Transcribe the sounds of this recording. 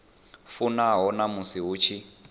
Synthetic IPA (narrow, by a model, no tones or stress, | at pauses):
funaɦɔnamusiɦuːt͡ʃʰi